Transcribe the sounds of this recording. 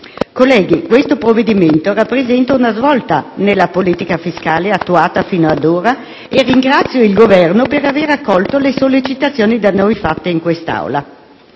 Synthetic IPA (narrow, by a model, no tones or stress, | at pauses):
kolːɛːɡikwest̪opɾovːed̪iment̪orapːɾezɛnt̪aunazvɔlt̪anelːapoliːt̪ikafiskaːleat̪ːuaːt̪afiːnoad̪oːɾa | erːiŋɡɾat̪sːjoilɡovɛrnopeɾaveːɾakːɔlt̪olesolːit͡ʃit̪at̪sːjoːnid̪anːojfat̪ːeiŋkwest̪a̰wla